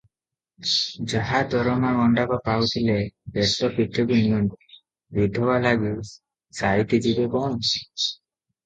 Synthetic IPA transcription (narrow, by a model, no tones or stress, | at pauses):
d͡ʒaɦad̪ɔɾɔmaɡɔɳɖakapawt̪ʰilebesɔpiʈʰːɔbimɔni | bid̪ʱɔbalaɡu | sajt̪id͡ʒibebɔni